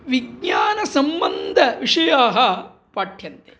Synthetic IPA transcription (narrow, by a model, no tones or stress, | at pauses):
ʋiɡɲaːnɐsɐmbɐnd̪ʱɐʋiʂɐjaːɦɐ | paːʈʰjɐnt̪e